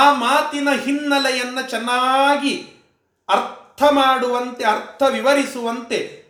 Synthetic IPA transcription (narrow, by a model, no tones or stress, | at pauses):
aːmaːt̪inɐɦinːɐlɛjɐnːɐt͡ʃɛnːaːɡi | ɐɾt̪ʰɐmaːɽuʋɐnt̪e̞ɐɾt̪ʰɐʋiʋɐɾisuʋɐnt̪e̞